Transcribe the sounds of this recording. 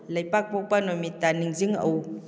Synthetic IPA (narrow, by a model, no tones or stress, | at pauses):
ləjpak̚powpanɔmitaniŋziŋə̰w